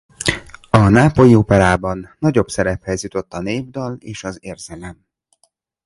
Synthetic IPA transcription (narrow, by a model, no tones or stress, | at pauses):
ɒnaːpo̞jiopɛɾaːbɒnːɒɟo̞bsɛɾɛphɛzjut̪o̞t̪ːɒneːvd̪ɒleːʃɒzeːrz̥ɛlɛm